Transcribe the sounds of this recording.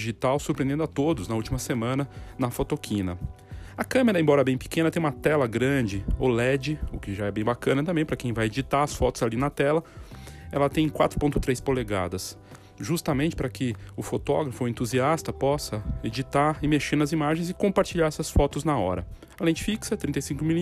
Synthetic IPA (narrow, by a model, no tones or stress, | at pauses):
iʒit̪awsuɾpɾẽnd̪ẽd̪at̪od̪ʊznɐult͡ʃimɐsemɐ̃nɐnɐfot̪okʰĩnɐ | ɐkɐ̃meɾɐẽbɔɾɐɛbẽj̃pɪ̥kẽnɐt̪ẽj̃ũmɐt̪ɛlɐɡɾɐ̃d͡ʒɪolɛd͡ʒɪʊkɪʒaɛbẽj̃bakɐ̃nɐt̪̬ɐ̃mbẽj̃pɾɐkẽj̃vajed͡ʒit̪aɐsfɔt̪ʊz̥alinɐt̪ɛlɐɛlɐt̪ẽj̃kwat̪ɾʊpõt̪ʊt̪ɾejspoleɡa̰d̪ɐs | ʒust̪ɐmẽnt͡ʃɪ̥pɾɐkɪʊfot̪ɔ̰ɡɾɐfʊẽnt̪uziast̪ɐpɔsɐed͡ʒit̪aɾɪmeʃeɾnɐzimaʒẽj̃zɪkõpaɾt͡ʃiʎaɾɛsɐsfɔt̪ʊznɐɔ̰ɾɐ̰ | alẽnt͡ʃɪ̥fiksɐt̪ɾĩt̪ejsĩkʊmil